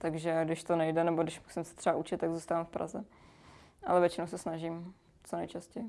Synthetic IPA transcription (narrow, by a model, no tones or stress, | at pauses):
t̪aɡʒɛɡdɪʃt̪onɛjdɛnɛbodɪʃmusɪmsɛ̥t̪r̥ɛbaʔut͡ʃɪt̪ːaɡzuːst̪avamfpɾʔa̰zɛ | ʔa̰lɛvjɛt͡ʃɪnowsɛsnaʒim | t͡sonɛjt͡ʃascɛjɪ